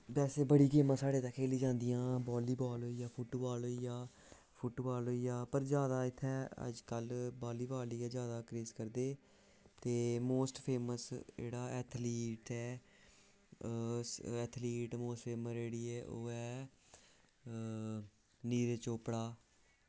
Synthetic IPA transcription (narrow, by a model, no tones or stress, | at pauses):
bɛːseːbəɽiːkeːmãːsaːɽeːt̪ãːkʰeːliːd͡ʒãːnd̪ɪjãːbɔːliːbɔːlɦoːijaːpʰʊʈbaːlɦoːiːjaː | pʰʊʈbaːlɦoːiːjaːpəɾzjaːd̪aːɪt̪ʰːɛːə̰d͡ʒkəlbaːliːbaːliːɛːzjaːd̪aːkɾeːskəɾd̪eː | t̪eːmoːsʈpʰeːməsd͡ʒḛːɽaːɛːt̪ʰliːʈɛː | sɛːt̪ʰliːʈmoːsʈeːməɾeːɽiːɛːʔo̰ːɛː | niːɾeːt͡ʃoːpɽaː